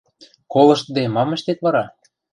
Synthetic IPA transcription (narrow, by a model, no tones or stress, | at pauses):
kolɤ̆ʃt̪əd̪emɑmə̆ʃt̪et̪βɑɾɑ